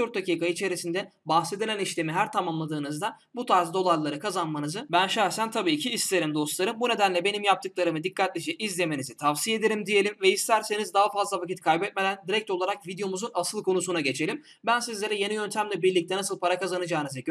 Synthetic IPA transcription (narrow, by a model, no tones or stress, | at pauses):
øɾt̪̚d̪aciːkait͡ʃʰe̞ɾisind̪ɛbahse̞d̪ilʲæniʃlʲemiɦæɾt̪ʰamamlˠad̪ɯːnɯzd̪a | but̪ʰaɾzd̪o̞lˠaɾlˠaɾɯkʰazanmanɯzɯbænʃæɾsænt̪ʰabiːcʰiːst̪eɾʲimd̪o̞slˠaɾɯmbune̞d̪ænlʲɛbe̞nimjap̚t̪ʰɯk̚lˠaɾɯmɯd̪ikːat̪̚lʲed͡ʒɛʔizlʲe̞me̞nizit̪ʰavsije̞d̪eɾʲimd̪ije̞lʲimvɛist̪ʰæɾse̞nizd̪aɦafazlˠavacit̪̚kʰajbɛt̪̚me̞d̪ænd̪iɾɛc̚t̪o̞lˠaɾakvid̪jo̞muzunasɯlˠkʰo̞nusunaɟe̞t͡ʃʰe̞lʲim | bænsizlʲe̞ɾɛje̞nijø̞nt̪ʰæmlʲɛbiɾlʲic̚t̪ʰɛnasɯlˠpʰaɾakazanɯd͡ʒaːnɯze